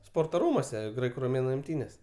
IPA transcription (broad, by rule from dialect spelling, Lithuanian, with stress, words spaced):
ˈspoːrtoː ˈruːmuɔsʲɛ ˈɡrɐɪkʊ roːˈmʲeːnʊ ɪmʲˈtʲiːnʲeːs